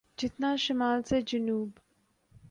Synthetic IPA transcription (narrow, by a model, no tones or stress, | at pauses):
d͡ʒɪt̪naʃɪmaːlsed͡ʒɐnuːb